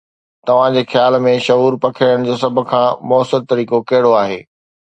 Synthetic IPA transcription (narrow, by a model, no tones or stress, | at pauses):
t̪ɐʋ̤ãd͡ʑeːxjaːlmẽʃɐɦuːɾpɐkʰəəɽ̃̆d͡ʑoːsɐb̆ʱkʰãːmɔːsɪɾt̪ɐɾiːkokɐɦɪɽoaːɦḛː